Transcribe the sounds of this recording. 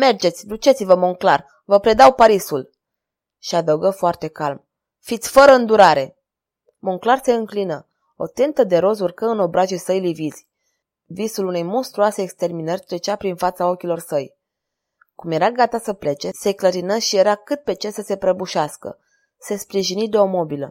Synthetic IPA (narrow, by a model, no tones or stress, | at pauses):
me̞rd͡ʒe̞t̪sʲd̪ut͡ʃe̞t̪sivəmoŋklar | vəpɾe̞d̪awpaɾisul | ʃiad̪əwɡəfoart̪e̞kalm | fit̪sʲfəɾəɨnd̪uɾaɾe̞ | moŋklarse̞ɨŋklinə | o̞̰t̪ent̪əd̪e̞ɾo̞zurkəɨno̞bɾaʒesəjliviz̥ʲ | visulune̞jmo̞nst̪ɾuase̞ːkst̪e̞rminərʲt̪ɾe̞t͡ʃapɾinfat̪sao̞kʲilo̞rsəj | kumje̞ɾaɡat̪asəple̞t͡ʃe̞se̞kləɾinəʃije̞ɾakɨt̪̚pe̞t͡ʃelsəse̞pɾəbuʃaskə̰ | se̞spɾiʒinid̪e̞o̞mo̞bilə